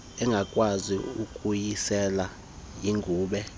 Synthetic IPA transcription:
ɛŋɡʱakʼwaziukʼujisɛla | jiŋɡʱuːɓɛ

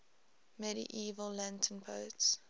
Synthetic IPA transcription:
mɛɾḭʔiːvəllãntʰə̃npʰoʊts

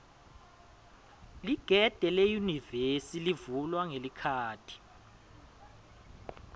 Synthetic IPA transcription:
liɡ̥ʱɛd̥ʱɛlejunivesilivulwaŋelikʰaːtʰi̥

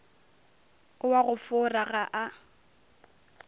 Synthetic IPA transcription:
ʊwaɣʊfʊraɣaʔa

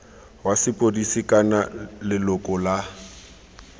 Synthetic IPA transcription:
wasɪpʼodisikʼanalɪlʊkʼɔla

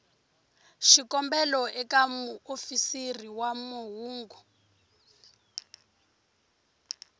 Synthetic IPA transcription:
ʃikɔmbɛlɔʔɛkamuofisiriwamuɦuːŋɡu

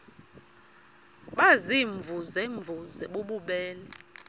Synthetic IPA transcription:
ɓaziɱvʱuzɛɱvʱuzɛɓoɓuɓɛːlɛ

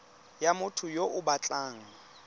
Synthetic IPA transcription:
jamʊtʰʊjoʔʊbat͡ɬʼaːŋ̩

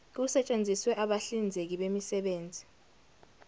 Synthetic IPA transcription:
k̬usɛt͡ʃʼend͡zʱiswɛʔaɓaɬind͡zʱek̬iɓemisɛɓeːnd͡zʱi

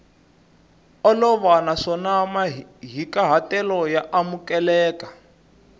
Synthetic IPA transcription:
ɔlɔβanaʂɔnamaɦikaɦatɛlɔjaʔamukɛlɛːkḁ

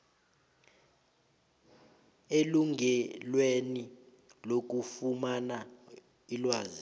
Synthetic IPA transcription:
eluŋɛlweni | lok̬ufumana | ilwaːzi

